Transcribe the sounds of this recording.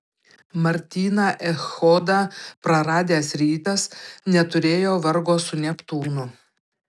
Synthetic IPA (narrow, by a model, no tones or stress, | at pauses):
mɐɾʲt̪ʲiːnɑːʔɛxɔd̪ɑːpɾɐɾɑːd̪ʲeːsɾʲiːt̪ɐsnʲɛt̪ʊɾʲeːjoːʋɐɾɡoːsʊnʲɛpt̪uːnʊ